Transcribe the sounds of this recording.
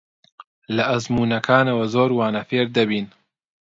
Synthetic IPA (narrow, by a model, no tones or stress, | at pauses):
lɐʔɐzmuːnɐkʰaːnɐwɐzoːɾwaːnɐfeːɾd̪ɐbiːn